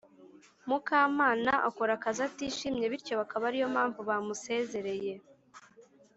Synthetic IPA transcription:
mukaːmaːnaʔa̰koɾakazatiʃimɲe̞βiɾco̞βakaβaɾijo̞mhaːɱvuβamuse̞ːze̞ɾe̞je̞

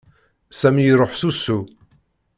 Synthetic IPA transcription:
sæmijəɾˤoħsusu

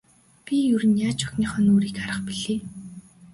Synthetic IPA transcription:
pʲijɵɾɘ̆njaːt͡ɕʊ̥xniːχœːnoːɾiːkaɾə̆χpiɮeː

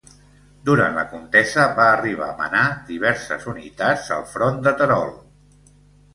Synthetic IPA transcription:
d̪uɾa̰nləkunt̪ɛzəβaːriβ̞a̰mə̰nad̪iβ̞ɛɾsəzunit̪ad͡zə̰lˠfɾɔnd̪ət̪əɾɔ̰lˠ

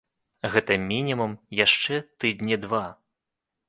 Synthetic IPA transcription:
ɣɛt̪ɐmʲinʲimumjaʂt͡ʂɛt̪ɨd̪nʲid̪va

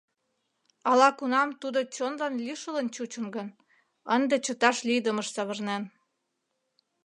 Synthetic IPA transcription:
ɑlɑkunɑmt̪ud̪ot͡ɕonlɑnliʃələnt͡ɕut͡ɕə̆nɡə̆n | ənd̪et͡ɕə̆t̪ɑʃlid̪əməʃsɑβərnɑn

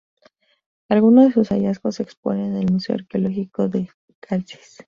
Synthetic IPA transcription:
alɣunoðe̞susaʝasko̞se̞kspo̞̰nenelmuse̞oaɾkeolo̞xiko̞ðe̞ | kʰalsi̥s

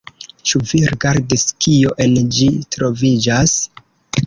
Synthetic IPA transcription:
t͡ʃuviɾiɡaɾdiskʰio̞ʔe̞nd͡ʒitɾo̞vid͡ʒas

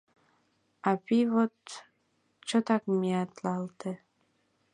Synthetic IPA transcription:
ɑpiβot̪ | t͡ʃot̪ɑkmiɑt̪lɑlt̪e

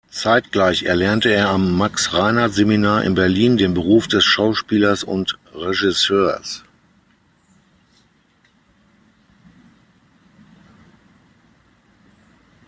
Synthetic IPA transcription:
t͡saɪtɡ̥laɪçɛ̰ɐlɛɐntəeːɐamːaksʁaɪnatz̥eminaːɐʔɪ̰nbɛɐliːndeːnbəʁuːfd̥ɛsʃaʊʃpiːlɐsʊ̰ntʁeʒɪsøːɐs

